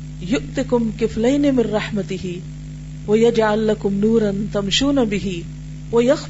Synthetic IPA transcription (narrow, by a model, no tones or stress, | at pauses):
jʊʔt̪ɪkʊmkɪflajnɪmɪnɾˤɑħmat̪ɪhɪ | wajad͡ʒʕalːakʊmnuːɾˤɑnt̪amʃuːnabɪɦɪ | wajax